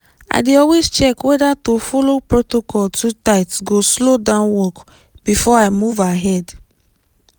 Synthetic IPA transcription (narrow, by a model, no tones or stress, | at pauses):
a̰ɪdeɔlwezt͡ʃɛkwɛdatofɔlopɹotokɔltʰutaɪtsɡoslodãʊ̃nwɔk | b̥ifɔaɪmuvaɦɛd